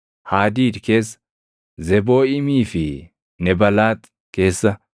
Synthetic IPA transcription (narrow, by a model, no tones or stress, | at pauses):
haːd̪iːd̪ke̞ːs | zɛbo̞ːɪmiːfɪ | nɛbɐlaːt̪ | ke̞ːsːɐ